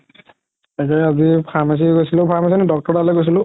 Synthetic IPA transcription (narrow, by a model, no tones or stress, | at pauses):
akɛazipʰaɹmas̬iɡojsilʊpʰaɹmas̬inɛdɔk̚tɔɹdalɛɡojs̬ilʊ̃